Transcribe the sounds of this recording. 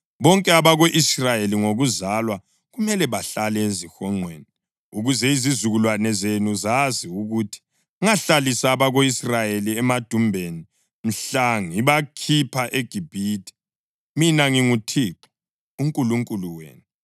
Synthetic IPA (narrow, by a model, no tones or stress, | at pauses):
βɔŋkʼɛaβaɣoʔisrajeliŋoɣuzalwa | ɣumɛlɛβaɬalɛezixɔŋ͡ǃʱweːni | uɣuzɛizizuɣulwanɛzenuzaziuɣutʰi̥ | uŋaɬalisaːβaɣoisrajeliɛmad̥ʱumbʱeni | m̩ɬaŋiβakʰipʰaʔeɡ̥ʱib̥ʱiːtʰʼi̥ | minaŋiŋutʰiːǁɔ̥ | uŋkʼuluŋkʼuluwḛːnu